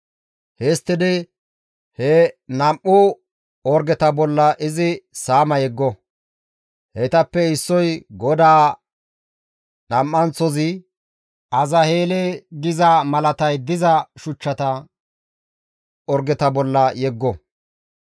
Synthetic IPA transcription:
hɛst̪ːɪd̪ɪ | hɛnɐmʔʊ | ɔɾɡɛt̪ɐbɔlːɐʔɪzɪsaːmɐjɛɡːɔ | hɛt̪ɐpːɛɪsːɔjɡɔd̪aː | nɐmːɐnt͡sɔzɪ | ɐzɐheːlɛɡɪzɐmɐlɐt̪ɐjd̪ɪzɐʃʊt͡ʃːɐt̪ɐ | ɔɾɡɛt̪ɐbɔlːɐjɛɡːɔ

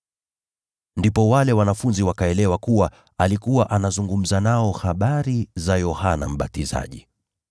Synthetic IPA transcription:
ndipɔwalɛwanafunziwakaɛlɛwakuwa | alikuwaʔanazuŋɡum̩zanaɔhaɓaɾizajɔhana̰m̩ɓatiza̰ʄi

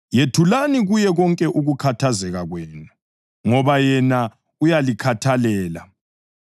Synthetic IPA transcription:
jetʰulaniɣujɛɣɔŋkʼɛʔuɣukʰatʰazɛɣaɣwɛːnu | ŋɔβajɛna | ujalikʰatʰalɛːla̰

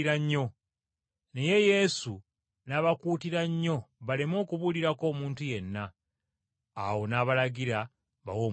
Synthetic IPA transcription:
ɾaɲːo̞ | ne̞je̞je̞su | naβakuːtiɾaɲːo̞βalemo̞ːkuβuliɾako̞ːmuːntuje̞nːa | wo̞naːβalaɡiɾa | βa̰wo̞ː

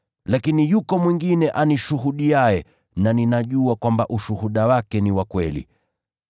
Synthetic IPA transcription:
lakinijukɔmwiŋɡinɛʔaniʃuɦuɗiajɛ | naninaʄuakwambaʔuʃuhuɗawakɛniwakwɛlḭ

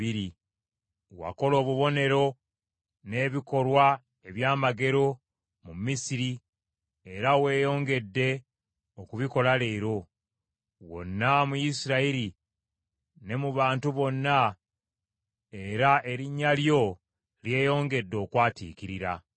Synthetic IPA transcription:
iɾi | wa̰ko̞lo̞ːβuβo̞ne̞ɾo̞ | ne̞ːβiko̞lwa | e̞βjaːmaɡe̞ɾo̞ | mumisiɾi | e̞ɾawe̞ːjo̞ːŋɡe̞dːe̞ | okuβiko̞lale̞ɾo̞ | wo̰nːamujisiɾaiɾi | ne̞muβaːntuβo̞nːa | eɾaʔe̞ɾiɲːaljo̞ | lje̞ːjo̞ːŋɡe̞dːo̞ːkwaːtḭːkiɾiɾa̰

